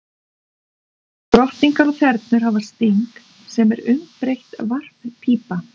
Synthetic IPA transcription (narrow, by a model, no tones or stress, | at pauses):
t̪ɾɔht̪iŋkaɾɔɣθɛɾt̪nʏɾ̥ɦavast̪iŋk | sɛmɛɾʏmpɾejht̪var̥ppʰiːpa